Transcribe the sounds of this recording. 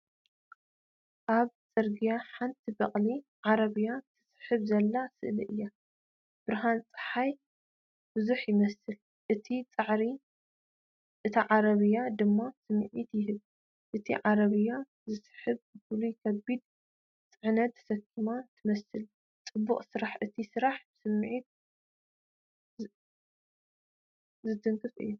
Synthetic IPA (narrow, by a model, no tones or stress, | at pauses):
ʔaβt͡sʼɐɾɡijaħant̪ʰibɐχʼliʕaɾɐβɨjat̪ʰɨ̥sħɨβzɐlːasɨ̰ʔliʔɨjːa | b̥ɨɾɦant͡sʼɨ̥ħaj | bɨzuħjɪmɐsɨl | ʔɨt̪ʰit͡sʼɨʕɾi | ʔɨt̪ʰaʕaɾɐβɨjad̪ɨmːasɨmːɨʕit̪jɪɦɨβ | ʔɨt̪ʰḭʕaɾɐβɨjːa | zɨsħɨβzɨfulukʰɐbːid̪̚ | t͡sʼɨʕnɐt̪sɐkʰːimat̪ʰɨmɐsɨl | t͡sʼɨbːṵχʼsɨɾaħʔɨt̪ʰisɨɾaħbɨsɨmːʕit̪̚ | zɨt̪ʰɨŋkʰɨfɨ̰jːa